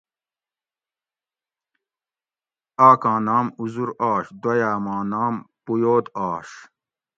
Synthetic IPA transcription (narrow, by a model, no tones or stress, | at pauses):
aːkãːnaːmuzuɾaːɕd̪wɐjaːmãːnaːmpujoːd̪aːɕ